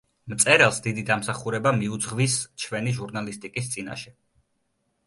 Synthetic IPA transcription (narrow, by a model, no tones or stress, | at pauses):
mt̪sʼɛɾɛlˠsd̪id̪id̪amsaχuɾɛbamiud̪zʁvist͡ʃʰwɛniʒuɾnalist̪ʼikʼis̬t̪sʼina̰ʃɛ